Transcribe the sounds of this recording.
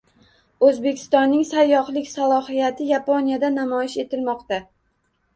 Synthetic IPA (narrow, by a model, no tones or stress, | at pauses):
ɵzbe̞kʲʰɪ̥st̪ɒnːɪŋsajːɒχlˠɪkʲsalˠɒhijat̪ʰɪjaponijad̪anamɒjɪʃe̞t̪ʰɪlmɒqt̪a